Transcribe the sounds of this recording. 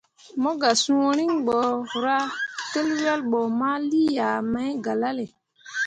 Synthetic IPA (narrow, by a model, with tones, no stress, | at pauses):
mɔ˦ɡa˨sũ˦wɔ˦ɾi˦ŋɓɔ˨ɾa˦te˦lwa˦lɓɔ˨ma˦li˦ja˨ma˨˦jɡa˨la˦le˨